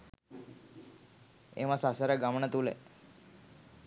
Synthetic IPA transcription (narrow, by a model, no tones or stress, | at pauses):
ḛʋãsasaɾaɡamɳat̪ulḛ